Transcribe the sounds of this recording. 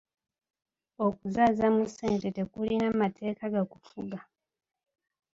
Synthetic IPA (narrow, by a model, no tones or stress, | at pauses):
okuzaːzamuse̞ːnte̞te̞kulinamatʰe̞ːkaɡakufuɡa